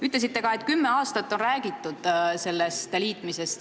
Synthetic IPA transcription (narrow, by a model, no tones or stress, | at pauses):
yt̪les̬it̪ːe̞ɡɑe̞t̪kymːeɑːst̪ɑt̪ːo̞nræːɡ̥it̪ːud̪̥se̞lːest̪liːt̪ˑmise̞st̪